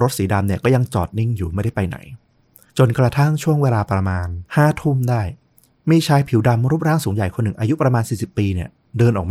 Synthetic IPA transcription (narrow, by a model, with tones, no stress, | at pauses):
ɾo˦˥t̪̚siː˩˦da˧mni˥˩kɔː˥˩ja˧ŋt͡ɕɔ̰ː˨˩t̪̚ni˥˩ŋjuː˨˩ma˥˩jda˥˩pa˧jna̰˩˦j | t͡ɕo˧nkɾa˧t̪ʰa˥˩ŋt͡ɕʰu˥˩əŋweː˧laː˧pɾa˧maː˧nhaː˥˩t̪ʰu˥˩mdaː˥˩j | miː˧t͡ɕʰaː˧˥jpʰi˨˩˦wda˧mɾuː˦˥˩p̚ɾaː˥˩ŋsuː˩˦ŋja˨˩jkʰo˧nːɯ˨˩ŋʔaː˧ju˦˥pɾa˧maː˧nsiː˨˩si˨˩pːiː˧ni˥˩ɐ | dɤː˧nʔɔː˨˩k̚m